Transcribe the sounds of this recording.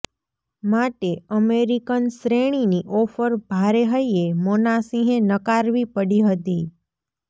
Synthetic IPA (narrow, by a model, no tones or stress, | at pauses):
maʈeəmeɾikənsɾeɽ̃iniʔɔfəɾbʱaɾeɦəjemonasĩɦẽnəkaɾʋipəɽiɦət̪i